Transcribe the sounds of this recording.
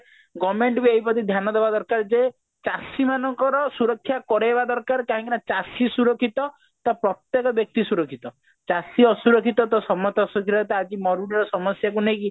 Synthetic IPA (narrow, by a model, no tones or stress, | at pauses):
ɡɔmeɳʈbieipɔt̪id̪ʱjanɔd̪ebad̪ɔɾkaɾd͡ʒe | t͡ʃasimanɔŋkɔɾɔsuɾɔkʰːjakɔɾeebad̪ɔɾkaɾkaɦɔ̃ŋkinat͡ʃasisuɾɔkʰit̪ɔ | t̪ɔpɾɔt̪jekɔbjɔk̚t̪isuɾɔkʰit̪ɔ | t͡ʃasiɔsuɾɔkʰit̪ɔt̪ɔsɔmɔt̪ɔsuɾɔkʰit̪ɔt̪ead͡ʒimɔɾuɽɔɾɔsɔmɔsjak̬unejki